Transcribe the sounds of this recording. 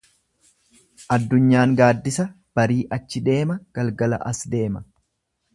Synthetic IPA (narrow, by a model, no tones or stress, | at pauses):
ʔɐd̪ːʊɲːaːŋɡaːd̪ːɪsɐ | b̥ɐɾiːʔɐt͡ʃːɪd̪e̞ːmɐɡ̥ɐlɡɐlɐ̰ʔɐsd̪e̞ːmɐ